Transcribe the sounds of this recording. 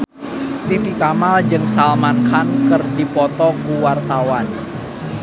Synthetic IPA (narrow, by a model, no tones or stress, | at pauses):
t̪ip̪ikamald͡ʒɨŋsalmankankɨrdipɔt̪ɔkuwart̪awan